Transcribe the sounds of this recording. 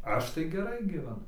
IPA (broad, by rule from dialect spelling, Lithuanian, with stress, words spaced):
ˈɐʃ tɐɪ ɡʲɛˈrɐɪ ɡʲiːʋʲɛˈnʊ